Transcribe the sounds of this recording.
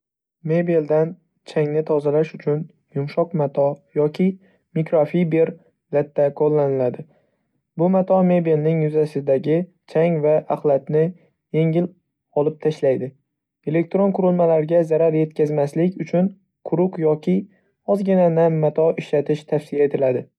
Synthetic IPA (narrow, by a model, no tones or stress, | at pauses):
me̞bild̪an | t͡ʃʰaŋnɪt̪ʰɒzalaʃʊt͡ʃʰʊn | jʊmʃɒqmat̪ʰɒjɒkʲʰɪ | mikɾafibe̞ɾ | lat̪ʰːakʰolˠːanɪlad̪ɪ | bʊmat̪ʰɒme̞bilnɪŋjʊzasɪd̪aɡʲɪ | t͡ʃʰaŋvaʔaχlˠat̪nɪ | je̞ŋɪl | ɒlˠɪp̚t̪ʰaʃlajd̪ɪ | e̞le̞k̚ʲt̪ɾonqʊɾɪlmalaɾɡʲazaɾaɾje̞t̪kʲʰazmaslɪkʲʊt͡ʃʰʊn | qʰʊɾʊqjɒkʲʰɪ | ɒzɡʲɪnanamːat̪ʰɒɪʃlat̪ʰɪʃt̪ʰafsɪjae̞t̪ʰɪlad̪ɪ